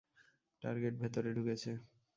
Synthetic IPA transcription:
ʈa̰ɾɡeʈ̚bʱet̪oɾeɖuket͡ɕʰe

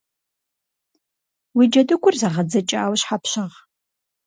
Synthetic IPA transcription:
wid͡ʒɐdɨkʷʰʼʊrzaʁɐd͡zɐt͡ʃʼaːwɕħapʰɕɐʁ

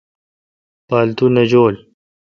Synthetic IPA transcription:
paːlt̪unɐd͡ʑoːl

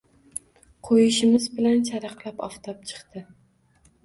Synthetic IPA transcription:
qʰojɪʃɪmɪzbɪlant͡ʃʰaɾɑqlˠapɒ̰ft̪ʰap̚t͡ʃʰɨ̥qt̪ɪ

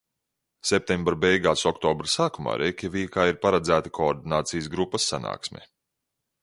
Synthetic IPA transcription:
sɛp̚t̪ʲɛmbɾabʲɛjɡaːsɔkt̪ɔːbɾsaːkuma̰ːɾʔɛkʲɛvʲiːkaːiɾpaɾad̪zæːt̪akʰɔːɾd̪inaːt̪sijsɡɾupːɐsːana̰ːksmʲɛ̰

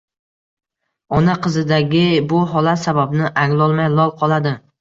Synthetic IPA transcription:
ɒnaqʰɨzɪd̪aɡʲɪbʊɦɒlat̪sababnɪʔaŋlˠɒlˠmajlˠɒlˠqʰɒlˠad̪ɪ

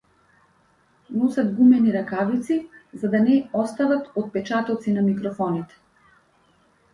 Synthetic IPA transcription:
nɔsad̪ɡumɛniɾakavit̪sizad̪anɛɔst̪avat̪ɔt̪̚pɛt͡ʃat̪ɔt̪sinamikɾɔfɔnit̪ɛ̥

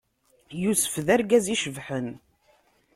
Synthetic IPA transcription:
jusə̥fðæɾɡæziʃəvħən

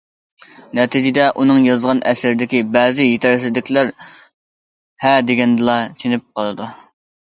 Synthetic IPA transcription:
nɛt̪ʰɪd͡ʒɪd̪ɛʔunɨŋjɑzʁɑnʔɛsɪɾɪd̪ɪkʲibɛːzɪjet̪ʰɪɾsɪd̪ɪkʲlæɾ | hɛd̪eɡʲɛnd̪ɨlˠɑt͡ʃʰenɪp̚qʰɑlˠɨd̪u

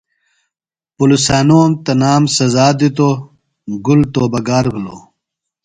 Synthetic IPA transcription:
pulusaːnomt̪ɐnaːmsɐzaːd̪it̪o | ɡult̪oːbɐɡaːɾɡulo̰

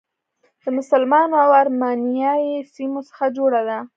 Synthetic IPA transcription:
d̪̥əmʊsalmɑnoawaɾmɑnjɑjesimosə̥xad͡ʒoɽad̪a

